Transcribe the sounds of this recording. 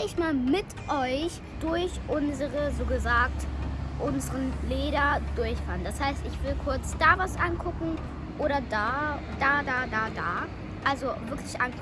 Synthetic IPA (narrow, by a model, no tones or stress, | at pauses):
lɪçmaːlmɪtʔɔʏç | d̥ʊɐçʔʊnzəʁəzoːɡəzaːktʔʊnzəʁənleːɾɐd̥ʊɐçfaːɐnd̥ashaɪstɪçv̥ɪlkʰʊɐt͡sd̥aːvasʔankʰʊkŋ̩ | ʔoːɾɐdaːd̥aːdaːdaːdaː | ʔalzovɪɐkʰlɪçʔankʰ